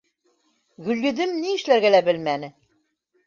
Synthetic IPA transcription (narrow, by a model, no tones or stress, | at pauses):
ɡʉ̆ljɘ̆d̪ɘmniɘ̆ʃlæɾɡælæbɘlmænɘ